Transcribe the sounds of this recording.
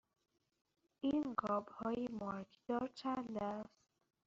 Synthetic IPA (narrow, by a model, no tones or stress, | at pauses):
iːnɡɒːbhɒːjemɒkʰd̪̥ɒːɾt͡ʃʰænd̪æst̪